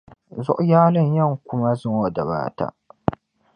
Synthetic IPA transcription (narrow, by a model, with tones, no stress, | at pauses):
zɔ̰˦ʔjaː˦lɪ˦˨ɲjɐ˦˨ŋkʷʊ˦ma˦zɪ˦˨ŋwɐ˨dɐ˨ba̰ː˦ta̰ː˦